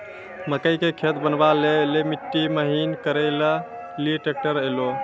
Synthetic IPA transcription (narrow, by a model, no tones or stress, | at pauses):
məkəjkekʰet̪bənbalelemiʈːiməɦinkəɾələ | liʈek̚ʈəɾəjlo